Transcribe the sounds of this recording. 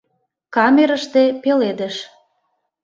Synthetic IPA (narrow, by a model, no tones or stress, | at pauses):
kɑmeɾəʃt̪epeled̪ə̆ʃ